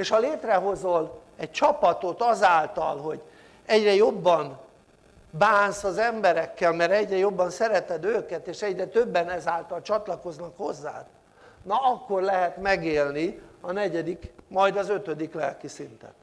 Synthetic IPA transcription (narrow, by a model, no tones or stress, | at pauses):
eːʃhɒleːt̪rɛɦo̞zol | ɛc̚t͡ʃɒpɒt̪o̞t̪ɒzaːlt̪ɒ̰lɦoɟ | ɛɟrɛjo̞bːɒn | baːnsɒzɛmbɛɾɛkːɛlmɛɾɛɟrɛjo̞bːɒnsɛɾɛt̪ɛd̪øːkɛt̪eːʃɛɟrɛt̪øbːɛnɛzaːlt̪ɒlt͡ʃɒt̪lɒko̞znɒkho̞zːa̰ːt̪ | nɒɒkːo̞rlɛɦɛt̪mɛɡeːlniɒnɛɟɛd̪ikmɒjd̪ɒzø̞t̪ød̪iklɛlkisint̪ɛ̰n